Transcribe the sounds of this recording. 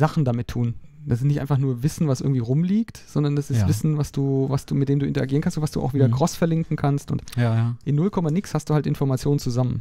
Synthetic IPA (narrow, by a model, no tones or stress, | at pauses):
zaχn̩damɪtʰːuːn | d̥asɪntnɪçtʔa̰ɪnfaχnuːɐvɪsn̩vasʔɪɐɡŋ̩tiːʁʊmliːktz̥ɔndɐndasɪsvɪsn̩vasd̥uːvasd̥uːmɪt̚d̥eːmduːʔɪntɐaɡiːnkʰanstʊntvastd̥ṵːʔa̰ʊviːdɐkʁ̥ɔsfɛɐlɪŋkŋ̩kʰanstʊ̰ntʔɪnːʊlkʰɔmanɪkshastd̥uːhaltʔɪnfɔɐmat͡sjoːnənt͡suzamən